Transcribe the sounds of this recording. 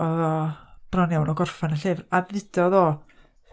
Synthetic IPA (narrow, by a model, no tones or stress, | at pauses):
ɔɔb̥rɔnjawnɔɡɔrfanəɬevraðɪd̥ɔðɔː